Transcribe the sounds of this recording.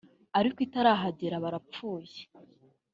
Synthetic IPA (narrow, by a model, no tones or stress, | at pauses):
aɾikitaɾaːɦaɟeɾaβaɾap͡fuːje